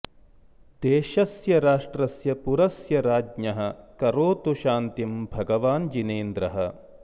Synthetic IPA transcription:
d̪̥eːʃɐsjɐɾaːʂʈɾɐsjɐpuɾɐsjɐɾaːd͡ʒɲɐɦɐ̆kɐɾoːt̪uʃaːnt̪imbʱɐɡɐʋaːnd͡ʒineːnd̪ɾɐɦɐ

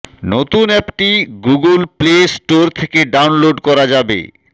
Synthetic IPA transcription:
not̪unɛkʈiɡuɡulplesʈoɾt̪ʰekeɖawnloɖkɔɾad͡ʑabḛ

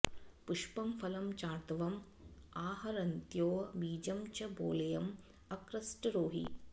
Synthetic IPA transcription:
puʂpɐmfʰɐlɐmt͡ʃaːt̪ʋɐm | aːɦɐɾɐnt̪joːɐʋiːd͡ʒɐmt͡ʃɐbo̰ːlɐjɐm | ɐkɾɐsʈɾoːɦḭ

